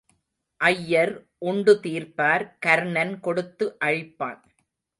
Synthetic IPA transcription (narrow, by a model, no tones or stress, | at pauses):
ʔɐjːɐɾ | ʔʊɳɖɯt̪iːɾpaːɾkɐɾɳɐnkɔɽɯt̪ːɯʔɐɻɪpːa̰ːn